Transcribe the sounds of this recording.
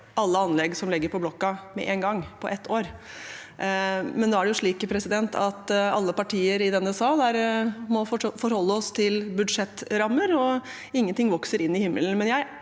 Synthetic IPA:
ɑlːəɑnlɛɡsɔmlɪɡːəɾpʰɔblɔkːɑmɛ̰ʔeːnɡɑŋːpʰɔʔɛt̪ʰːoːɾ | mɛnd̪oːæɖɛjʊʂɭiːkpʰɾɛsɪd̪ɛnt̪ʰɑt̪ɑlːəpɑʈʰiːəɾɪd̪ɛnːəsɑːd̪æɾmɔfɔɾhɔlːəɔst̪ʰɪlbʉd̪ʂɛt̪ːɾɑmːəɾɔ | ɪŋːənt̪ʰɪŋʋɔksəɾɪnːɪhɪmːə̰lən̩mɛnjæɪ

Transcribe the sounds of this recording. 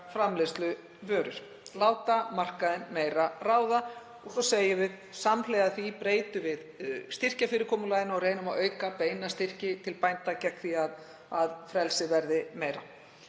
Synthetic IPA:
fɾamlest̪lʏ | vœːɾʏɾ̥ | laːwt̪amar̥kaðɪnmeːjɾaraːwða | ɔɣsɔseːjɪvɪð | samleːjɣaθipɾeːjt̪ʏvɪðst̪ɪr̥cafɪɾɪkʰɔːmʏlaðɪnɔɣreːjnʏmaðœːɥkapeːjnast̪ɪr̥cɪt̪ʰɪlpajnt̪acɛkθiað | aðfɾɛlsɪvɛɾðɪmeːjɾa

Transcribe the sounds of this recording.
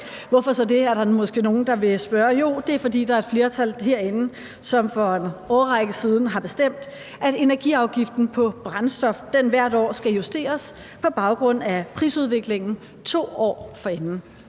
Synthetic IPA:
ʋɒfɒ̽sɒ̽d̥e̝æɐɾɑ̈mɒ̽sɡ̥e̝̰ːno̝ːn̩d̥ɑ̈ʋe̝sb̥ɶːɐjo̝̰d̥e̝æɐfɒ̽dḭːd̥ɑ̈æɐe̝d̥fle̝ːɐt͡sʰæl̰ɦe̝ɐ̰enə | sɒ̽mfɒ̽enɒːʁɑɡ̥əsið̞ˠn̩ɦɑ̈b̥e̝sd̥em̰d̥ | æde̝næɐɡ̥ḭɑ̈ʊɡ̥ifd̥n̩pʰɒ̽b̥ʁansd̥ɒ̽fd̥enʋæɐ̰ɾ̥ɒ̰ːsɡ̥æjusd̥e̝̰ːɐs | pʰɒ̽b̥ɑ̈ʊɡ̥ʁɔ̽n̰æpʰʁḭːsuð̞ˠʋe̝ɡ̥le̝ŋn̩ | t͡sʰo̝̰ːɒ̰ːfɒ̽enn̩

